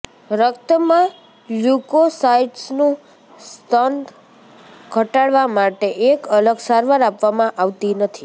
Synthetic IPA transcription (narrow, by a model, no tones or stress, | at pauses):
ɾəkt̪əmã | lukosaiʈsnũ | st̪ən | ɡʱəʈaɽʋamaʈeʔekələɡsaɾʋaɾapʋamãʔaʋt̪inət̪ʰi